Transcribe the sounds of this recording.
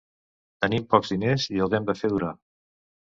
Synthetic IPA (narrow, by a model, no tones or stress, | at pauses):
t̪ənimpɔkzðineziəwðɛmd̪əfeð̞uɾa